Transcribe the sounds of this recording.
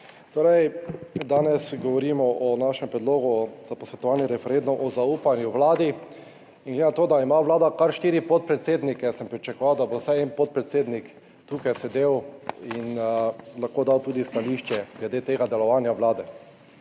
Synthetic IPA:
t̪oːɾɛjd̪aːnɛsɡɔʋɔɾimɔʔɔnaʃɛmpɾɛd̪loːɡuz̥apɔsʋɛt̪ɔʋanjɛɾɛfɛɾend̪umʔɔzauːpanjuʋlaːd̪i | inŋɡled̪enat̪oːd̪aimaʋlaːd̪akaɾʃt̪iːɾipɔt̪̚pɾɛt̪seːd̪nikɛsɛmpɾit͡ʃakɔʋawd̪abosajɛnpɔt̪̚pɾɛt̪seːd̪nik | t̪uːkajsɛd̪ewinlaxkoːd̪awt̪uːd̪ist̪aliʃt͡ʃɛɡlɛd̪eːt̪eːɡad̪ɛlɔʋaːnjaʋlaːd̪ɛ

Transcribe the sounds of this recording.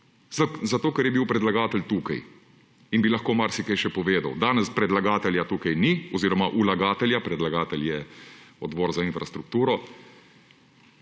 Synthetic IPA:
zat̪oːkɛɾjɛbiwpɾɛd̪laɡaːt̪ɛlt̪uːkaj | inbilaxkoːmaɾsikajʃɛpɔʋeːd̪a̰wd̪aːnɛspɾɛd̪laɡaːt̪ɛljat̪uːkajniɔziːɾɔmaʔulaɡaːt̪ɛljapɾɛd̪laɡaːt̪ɛljɛɔd̪bɔːɾzainfɾast̪ɾuk̚t̪uːɾɔ

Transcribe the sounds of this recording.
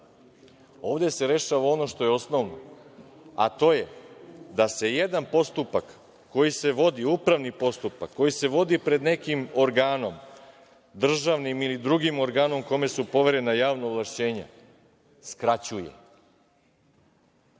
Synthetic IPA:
o̞ːʋd̪e̞se̞ɾe̞ʃaʋao̞no̞ʃt̪o̞jeo̞sno̞ʋno̰ | a̰t̪o̞ːje̞d̪ase̞je̞d̪anpo̞st̪upakː | o̞jise̞ʋo̞d̪iupɾaʋnipo̞st̪upakːo̞jise̞ʋo̞d̪ipɾe̞d̪ne̞kimo̞ɾɡaːno̞m | d̪r̩ʒaʋnimilid̪ɾuɡimo̞ɾɡaːno̞mko̞me̞supo̞ʋe̞ɾe̞najaːʋnaːvlˠaʃt͡ɕe̞ːɲḛ | skɾat͡ɕujḛ

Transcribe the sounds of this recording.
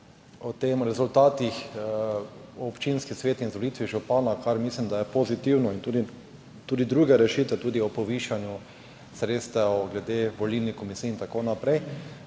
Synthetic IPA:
ɔt̪emɾɛzult̪aːt̪ix | ɔpt͡ʃinskisʋeːt̪inzʋɔlit̪ʋiʒupanakaɾmislimd̪ajɛpozit̪iwnɔint̪uːd̪i | t̪uːd̪id̪ɾuːɡɛɾɛʃit̪ʋɛt̪uːd̪iɔpɔʋiʃanju | sɾet̪st̪ɛɔɡlɛd̪eʋɔlilnikomisiːint̪akonapɾɛj

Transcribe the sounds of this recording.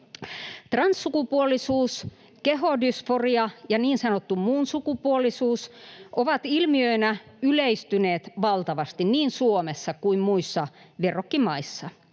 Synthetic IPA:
t̪rɑnsːukupuolisuːs | keɦodysforiɑjɑniːnsɑnot̪ːummuːnsukupuolisuːsʔoʋɑt̪ilmiøinæyleist̪yneːt̪ʋɑlt̪ɑʋɑst̪inniːnsuomesːɑkuimmuisːɑʋerokːimɑisːɑ

